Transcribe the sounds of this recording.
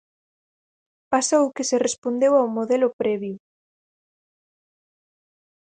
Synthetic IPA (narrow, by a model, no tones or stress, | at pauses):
pasaukeserespond̪ewawmoðelʊpɾɛβju